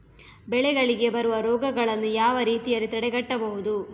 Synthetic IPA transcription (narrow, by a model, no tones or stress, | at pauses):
bɛɭɛɡɐɭiɡe̞bɐɾuʋɐɾɔːɡɐɡɐɭɐnːujaːʋɐɾiːt̪ijɐlːit̪ɐɽɛɡɐʈːɐbɐɦud̪u